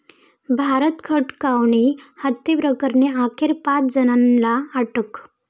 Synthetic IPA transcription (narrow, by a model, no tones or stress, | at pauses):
bʱaɾət̪kʰəʈkawɳihət̪ːepɾəkəɾɳeakʰeɾpat͡sd͡zənanlaːʈək